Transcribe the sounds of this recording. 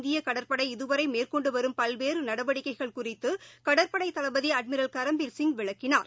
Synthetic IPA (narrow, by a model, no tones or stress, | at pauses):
nd̪ɪjɐkɐɽɐɾpɐɽɐɪɪðɯʋɐɾɐɪmeːrkɔɳɖɯʋɐɾɯmpɐlʋeːɾɯnɐɽɐʋɐɽɪkːɐɪɣɐɭkʊrɪt̪ːɯkɐɽɐɾpɐɽɐɪt̪ːɐlɐbɐðiɐɖ̚mɪɾɐlkɐɾɐmbɪlsɪŋɡʋɪɭɐkːɪnaːɾ